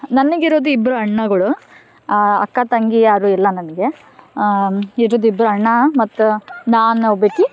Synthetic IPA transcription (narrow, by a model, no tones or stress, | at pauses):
nɐnːɐɡiɾoːd̪uibɐɾuɐɳːɐɡɐɭu | ɐ̰kːɐt̪ɐŋɡijaːɾuilːɐnɐnɐɡe̞ | iɾoːd̪uibːɾɐɐɳːɐmɐt̪ːunaːnbeʈi